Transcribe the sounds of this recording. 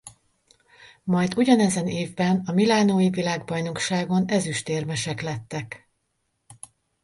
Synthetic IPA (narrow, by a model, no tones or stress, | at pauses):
mɒjd̪uɟɒnɛzɛneːvbɛnɒmilaːnoːjivilaːɡbɒjno̞kʃaːɡo̞nɛzyʃt̪eːrmɛʃɛklɛt̪ːɛk